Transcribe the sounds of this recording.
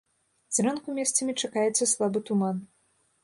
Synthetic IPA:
zʲɾɛnkumʲɛst̪sɐmʲit͡ʂakajɛt̪sːɐslˠabɨt̪uman

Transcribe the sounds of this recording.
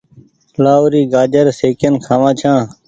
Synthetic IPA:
laːoɾiːɡaːd͡ʒəɾseːkənkʰãːʋãːt͡ʃʰãː

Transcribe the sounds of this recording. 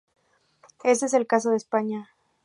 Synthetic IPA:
e̞s̬t̪ees̬e̞lkas̬oðespaɲa

